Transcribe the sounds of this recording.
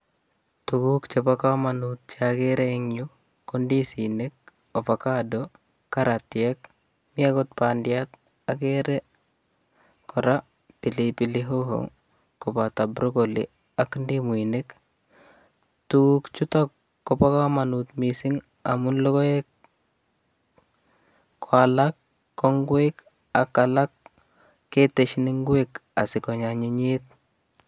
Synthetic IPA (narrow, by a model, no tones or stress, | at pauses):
tukukt͡ʃepakamanut̪̚t͡ʃakeɾeŋɲu | kɔndisinek̚ | ofakado | kaɾat̪ːɪɛk | miakɔt̪̚pandɪat̪ | akeɾɛ | kɔɾa | pilipiliɦoɦo̰ŋ | kopat̪abɾokolḭ | akndimuinek | tukt͡ʃutɔkː | opakamanut̪misiŋ | a̰munlokoek | kʰwalakː | ɔŋɡwek | akːalakː | eteʃniŋɡweka̰sɪkɔɲaɲiɲet̪̚